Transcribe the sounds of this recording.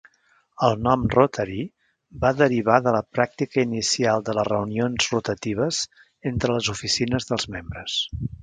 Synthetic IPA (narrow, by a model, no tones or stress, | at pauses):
əlˠnɔmrot̪ʰəɾi | baðəɾiβ̞aðələpɾak̚t̪ikəinisialˠd̪ələrəunionzrut̪ət̪iβ̞əz̥ | ent̪ɾələzufisinəzðəlˠzmembɾəs